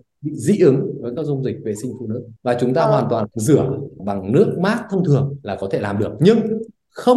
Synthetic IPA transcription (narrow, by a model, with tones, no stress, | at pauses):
ɓḭ˧˨zḭ˧˥ʔɨ˨˦ŋvəː˨˦jkaː˦˥k̚zʊ˧wŋ͡mzï˨˩k̟̚ve˨˩sï˧ŋ̟fu˧˩nɨ̰˧˥vaː˨˩t͡ɕʊ˨˦ŋ͡mt̪aː˧ɦwaː˨˩nt̪waː˨˩zɨ˧˩əɓa˨˩ŋnɨ˦˥ək̚maː˦˥t̚t̪ʰə˧wŋ͡mt̪ʰɨ˨˩əŋlaː˨˩kɔ˨˦t̪ʰe˧˩laː˨˩mɗɨ˨˩ək̚ɲɨ˧ŋ | xə˧w